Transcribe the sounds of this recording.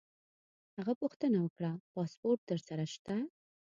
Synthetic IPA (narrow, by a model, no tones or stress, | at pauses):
haɣapuxt̪ənawəkɽapɑspoɾʈ̚t̪əɾsaɾaʃt̪a